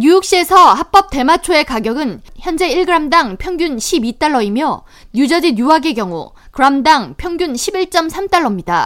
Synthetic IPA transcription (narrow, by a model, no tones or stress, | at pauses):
ɲujuk̚ɕ͈ie̞sʰʌhap͈ʌp̚t͈e̞mat͡ɕʰoe̞kaɡjʌɡɯnçjʌnd͡ʑe̞iɭɡɯɾamdaŋpʰjʌŋɡjunɕʰibit͈aɭːʌimjʌ | ɲjud͡ʑad͡ʑijuwaɡe̞ɡjʌŋṵkɯɾamdaŋpʰjʌŋɡjunɕʰibiɭt͡ɕ͈ʌmsʰamt͈aɭːʌmɲida̰